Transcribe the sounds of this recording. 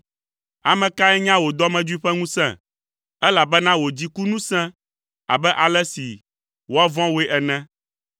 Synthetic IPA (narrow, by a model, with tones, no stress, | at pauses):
a˨mɛ̃˨ka˦ɛ˦ɲã˦wo˨d̪ɔ˦mɛ̃˨d͡ʒu˦i˦ɸɛ˦ŋũ˦sɛ̰̃˨ | ɛ˦la˨bɛ˦nã˦wo˨d͡ʑi˦ku˦nũ˦sɛ̃˦ | a̰˨bɛ˦ʔa˨lɛ˦si˨ | wo˦a˦vɔ̃˦we˦ʔɛ˨nɛ̃˦